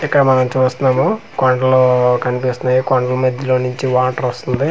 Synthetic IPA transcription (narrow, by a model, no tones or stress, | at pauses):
ikːɐɽɐmɐnɐmt͡ʃuːst̪unːaːmu | koɳɖɐloːkɐnipist̪unɐjikɔɳɖɐlɐmɐd̪iloːnuɲt͡ʃiʋaːʈɐɾost̪und̪i